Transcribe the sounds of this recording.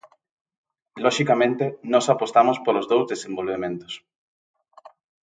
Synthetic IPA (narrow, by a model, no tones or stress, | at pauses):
lɔʃikamẽnt̪enɔsapost̪amospolozðowzðesẽmbolβemẽnt̪o̥s